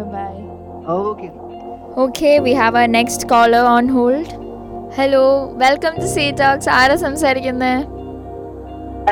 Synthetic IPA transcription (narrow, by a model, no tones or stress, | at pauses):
baɪ | oke | oːkʰeːʋiːɦæʋaənɛksʈkɔːləɾɔ̃ːnɦoːlɖ | hɛloːʋɛlkə̃mʈusiːʈɔːksaːɾəsɐ̃msəɾkɪ̃nd̪e